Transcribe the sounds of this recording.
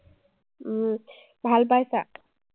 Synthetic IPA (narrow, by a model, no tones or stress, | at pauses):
bʱalbajsa